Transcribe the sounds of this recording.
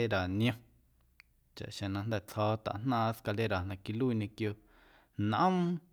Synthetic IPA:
e˦ɾa˨nj̃õ˧ | t͡ʃa̰˨ʔʃẽ˨nã˧nd̪ɛ˦˧˨t͡shɔː˦t̪a̰˨ʔn̥nãː˦˧˦ska˧le˦ɾa˨nã˧ki˧luː˦˧ɲẽ˧kjo˧ | naʔə̃˦m

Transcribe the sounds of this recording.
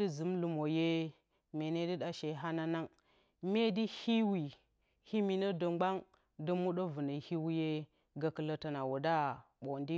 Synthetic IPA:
i˦zu˨˦mlu˨mo˨je˦ | me˨ne˦di˦ɗa˨ʃe˨ɦa˦na˦na˦ŋ | me˦di˦hi˦wi˨ | hi˦mi˨nə˦də˨ŋ͡mɡ͡ba˦ŋ | də˦mu˦ɗo˦və˨nə˨hi˦wu˦je˦ | ɡa˨kə˨lə˨ta˨na˨wu˨da˦ɓo˨ndi˦

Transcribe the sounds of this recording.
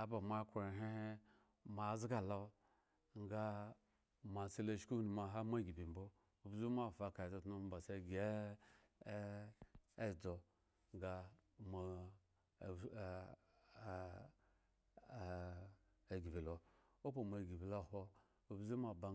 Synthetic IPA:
a˨ba˨ma˦ko˨ɾe˨ɦe˦he˦ | ma˨˦zɡa˨la˦ | ŋ˦ɡa˦ | ma˨se˦la˦˨ʃku˦ni˨ma˨ɦa˦ma˦˨ɡi˨bi˨m̩˦bo˦ | u˨bzu˦ma˦˨fa˨ka˨zo˨tno˦˨ba˨se˦˨ɡe˦ | e˦˨d͡zo˨ | ŋ˦ɡa˦ma˨ | e˨ɡi˨bi˨lo˨ | o˦p̬o˨ma˨ɡi˨bi˨la˦˨ho˦ | u˨bzu˦ma˨ba˨

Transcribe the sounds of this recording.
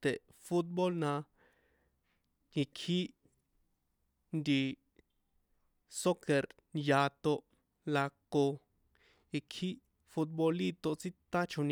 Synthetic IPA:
t̪e˨ʔfu˦t̪̚bo˦lnã˧ | ji˧kʰi˦ʔ | nd̪ʲi˧ | so˦ke˨ɾ | ja˧t̪o˧ʔ | la˧ko˧ | ji˧kʰi˦ | fu˦t̪̚bo˧li˦t̪o˧ʔt͡si˦t̪a˦t͡ʃu˧n

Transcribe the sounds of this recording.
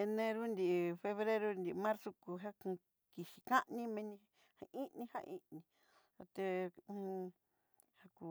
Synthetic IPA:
e˧nẽ˧ɾu˦nd̪i˨ʔfe˧βɾe˦ɾu˦˧nd̪i˨˧mã˦ɾso˧ku˧ɦa˦kũ˧ | ki˨ʃi˨kã˦ʔnĩ˦mẽ˧nĩ˧ | ha˧i˦nĩ˧ha̰˦ʔḭ̃˦˧nĩ˧ | a˧t̪ẽ˧˦˧ | ha˧ku˧

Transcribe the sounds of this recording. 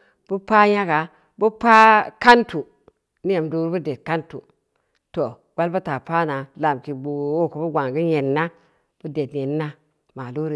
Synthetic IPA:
b̥u˦pa˦ja˦ɡa˨ | bu˦pa˦ka˦ntu˨ | ni˦e˨mdu˨ɾbu˦de˨t̚ka˦ntu˨ | to˨ | ɡ̥ʷa˦lbu˦ta˨pa˦na˨la˨mki˨bu˨o˦ku˨bu˦ɡʷa˨ŋɡi˦ɲe˨nːa˦ | b̥u˦de˨tɲe˨nː˦a˦ | ma˨lu˦ɾ

